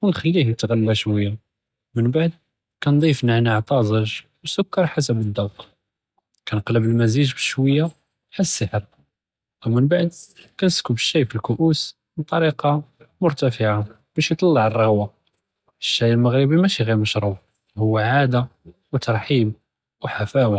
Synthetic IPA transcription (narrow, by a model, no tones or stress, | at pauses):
wənxælːihnət̪ɣælːæʃwəjːa | mənbaʕd̪̚ | kænd̪ˤifnaʕnaʕt̪ˤɑzˤəʒ | wsʊkːɑɾˤħas̬əbəd̪ːɑwq | kænqləbəlmæziʒbəʃwəjːa | ħasːəħəɾ | wmənbaʕd̪kænəskubəʃːæjfilkʊʔus | mət̪ˤɑɾiqɑmʊɾt̪æfəʕa | b̥æʃjt̪ˤɑlːɑʕərˤːɑɣwa | əʃːæjəlməɣɾəbimæʃiɣiɾməʃɾˤuf | hʊwːaʕad̪a | wt̪ɑɾˤħim | wħafæwa